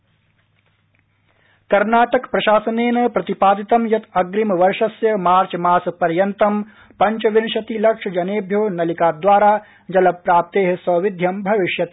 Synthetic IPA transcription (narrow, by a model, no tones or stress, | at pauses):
kɐɾnaːʈɐkpɾɐʃaːsɐneːnɐpɾɐt̪ipaːd̪it̪ɐmjɐt̪ɐɡɾimɐʋɐɾʂɐsjɐmaːɾt͡ʃmaːspɐɾjɐnt̪ɐm | pɐɲt͡ʃɐʋinʃɐt̪ilɐkʂʰɐd͡ʒɐneːbʱjoːnɐlikaːd̪ʋaːɾaː | d͡ʒɐlɐbpɾaːp̚t̪eːɦesɐʋid̪ʱjɐmbʱɐʋɪʃjɐt̪